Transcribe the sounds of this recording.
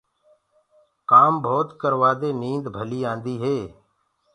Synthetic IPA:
kaːmbʱoːt̪kəɾʋaːd̪eːnĩːnd̪bʱəliːãːnd̪iːɦeː

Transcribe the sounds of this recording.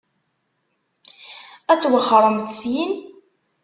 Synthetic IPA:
æt͡sːwəχːɾˤəmθəsjin

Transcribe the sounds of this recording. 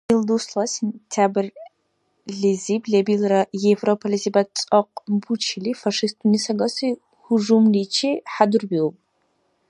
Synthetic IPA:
ilduslɐsentʰaːbɨr | ɮizibɮebilrɐjɛvropʰɐlizibɐt͡sʼɐq̚ʷʼbut͡ʃʰɪliːfɐʂistʰunisɐɡɐsɨ | xʊʐumliːt͡ʃʰiːħadurbilpʼ

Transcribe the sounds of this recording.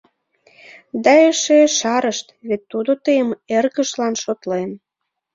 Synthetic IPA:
d̪ɑeʃeʃɑɾəʃt̪βet̪ːud̪ot̪əjəmerɣə̆ʃlɑnʃot̪len

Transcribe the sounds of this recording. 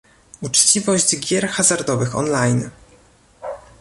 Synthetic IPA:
ut͡ʂt͡ɕivɔʑd͡ʑɡʲjɛɾxazaɾd̪ɔvɘxɔ̰nlajn

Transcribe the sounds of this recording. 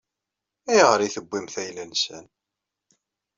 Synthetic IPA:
æjʁəɾiθəbːimθæjlænsæn

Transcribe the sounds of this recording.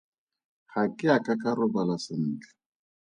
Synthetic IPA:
χakʼɪakʼakʼarʊbalasɪn̩ːt͡ɬḁ

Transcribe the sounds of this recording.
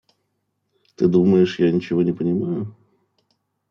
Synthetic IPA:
t̪ɨd̪uməjɪʂjanʲɪt͡ɕɪvo̞nʲɪpənʲɪmajʊ

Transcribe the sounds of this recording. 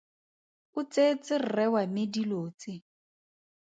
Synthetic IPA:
ʊt͡sʼet͡sʼɪr̩rɛwamediloːt͡sʼɪ

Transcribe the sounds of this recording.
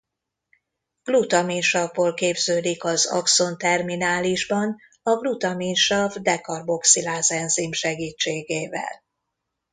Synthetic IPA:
ɡ̥lut̪ɒminʃɒvːoːlkeːbzøːd̪ikɒzɒ̰kso̞nt̪ɛrminaːliʒbɒn | ɒɡlut̪ɒminʃɒvd̪ɛkɒrbo̞ksilaːzɛnzimʃɛɡiːt͡ʃːeːɡeːvɛ̰l

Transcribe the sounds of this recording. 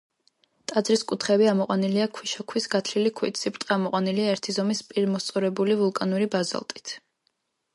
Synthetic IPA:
t̪ʼad̪zɾiskʼut̪ʰχɛbiamɔqʼwaniliakʰwiʃɔkʰwisɡat̪ʰlilikʰwḭt̪sipʼt̪ʼamɔqʼwaniliaɛɾt̪ʰizɔmispʼiɾmɔst̪sʼɔɾɛbulivulˠkʼanuɾibaza̰lˠt̪ʼi̥t̪ʰ

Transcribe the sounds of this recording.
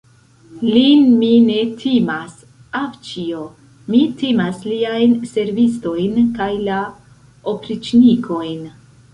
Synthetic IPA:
linmine̞tʰimas | aft͡ʃio | mitimasliajnse̞ɾvisto̞jnkajla | opɾit͡ʃnikʰo̞jn

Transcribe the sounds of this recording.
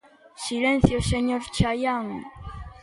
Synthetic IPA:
silẽn̟θjoseɲoɾt͡ʃajaŋ

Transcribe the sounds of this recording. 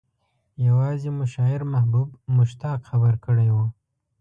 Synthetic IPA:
jawɑzemʊʃɑɪɾmahbubmʊʃt̪ɑqxabəɾkəɽajwu

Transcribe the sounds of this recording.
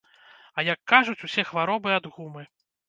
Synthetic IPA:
ɐjɐkːaʐut͡sʲusʲɛxvaɾɔbɨad̪ɣumɨ

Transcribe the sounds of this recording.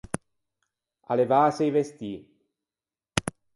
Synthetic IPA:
a̰levaːsejvest̪iː

